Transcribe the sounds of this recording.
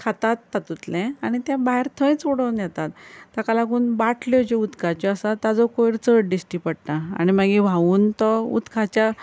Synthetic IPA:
kʰat̪at̪ːat̪ut̪lɛ̃aɽ̃it̪jãbaɦeɾt̪ʰə̃jt͡suɽəwnjɛt̪at̪ːakalaɡuːnbaʈʰljɔd͡ʑeut̪kʰat͡ɕɔasat̪ad͡zɔkoiɾt͡səʈ̚ɖisʈipəɽnaa̰ñimaɡĩʋʱauːnt̪ɔṵt̪kʰat͡ɕja

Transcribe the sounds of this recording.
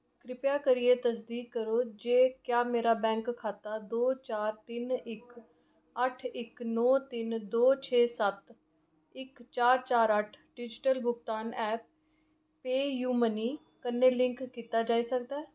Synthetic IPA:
kɾɪpjaːkəɾieːt̪əsd̪iːkːəɾoːd͡ʒeːkjaːmeːɾaːbɛ̃ːŋkʰːaːt̪aːd̪oːt͡ʃaːɾt̪ɪnɪk | əʈʰɪknɔːt̪ɪnd̪oːt͡ʃʰeːsət̪ | ɪkt͡ʃaːɾt͡ʃaːɾəʈʰɖɪd͡ʒʈəlbʊɡt̪aːnʔɛːp̚ | peːjuːməniː | kənːẽːlɪ̃ŋkːiːt̪aːd͡ʒaːiːsək̚d̪aː

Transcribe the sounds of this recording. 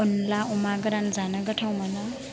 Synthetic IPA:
ɔnlaʔumaɡɯɾanzanaɡəʈʰawmanʌ

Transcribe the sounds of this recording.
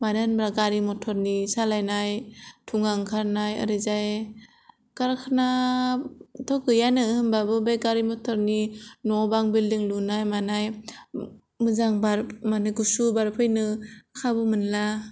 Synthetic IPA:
manɯnbɾaɡaɾimɔtʰɔɾnisalajnajtʰuŋaŋkʰaɾnajɯ̰ɾɯzaj | kaɾkʰana | tʰɔɡɯjanɯhɯmbabɯbejɡaɾimɔtʰɔɾninɔbaŋbildiŋlunajmanaj | mɯzaŋbaɾmanɯɡusubaɾpʰɯjnɯkʰabɯmɯnla

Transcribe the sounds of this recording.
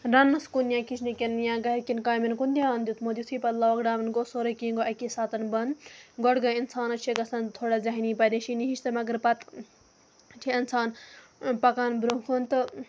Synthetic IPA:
ɾɐnːɐskunjãːkit͡ʃʰnikenjãːɡɐkinkaːjminkund̪ʲjaːnd̪jut̪mod̪ʲit̪ʰiːpɐt̪lɐʋɐɡɖaːmɐnɡosoːɾɐkiŋɡoʔɐkisaːt̪ɐnbɐnɡɔɽɡɐinsaːnɐt͡ʃʰeɡɐsɐnt̪ʰoɽɐzɐɦiniːpɐd̪eʃiniɦiʃt̪ɐmɐɡɐɾpɐt̪ | t͡ʃʰiɐnsaːnpɐkaːnbɾukʰont̪ɨ

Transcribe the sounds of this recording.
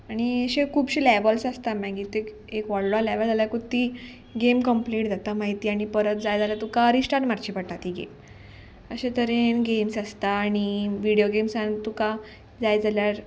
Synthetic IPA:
aɽ̃iəɕẽkʰuːbɕelɛʋəlsast̪amãɡit̪e | ekʋaɽlalɛʋəld͡zaljakut̪iː | ɡemkəmpleʈ̚d͡zat̪amaɦit̪iːaɽ̃ipəɾət̪d͡zajd͡zaljat̪ukaɾisʈaɾmaɾt͡ɕipəɽʈat̪iɡḛm | əɕet̪əɾenɡemsast̪aːɽ̃iʋiɽijoɡemsant̪uka | d͡zajd͡zaljaɾ

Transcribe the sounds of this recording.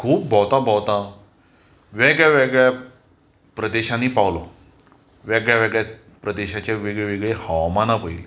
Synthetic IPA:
kʰuːp̚bʱɔwt̪abʱɔwt̪a | ʋeɡɭjaʋeɡɭja | pɾəd̪eɕaniːpawlo | ʋeɡɭjaʋeɡɭja | pɾəd̪eɕat͡ɕaʋeɡɭeʋeɡɭehawmanapəil

